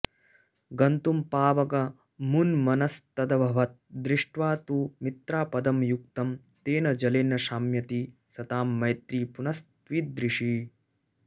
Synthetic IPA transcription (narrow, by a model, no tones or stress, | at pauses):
ɡɐnt̪umpaːʋɐkɐ | munmɐnɐst̪ɐd̪ɐbʱɐʋɐt̪̚d̪ɾiʂʈʋaːt̪umit̪ɾaːpɐd̪ɐmjuk̚t̪ɐm | t̪eːnɐd͡ʒɐleːnɐʃaːmjɐt̪isɐt̪aːmːɐjt̪ɾiːpunɐst̪ʋiːd̪ɾiʂi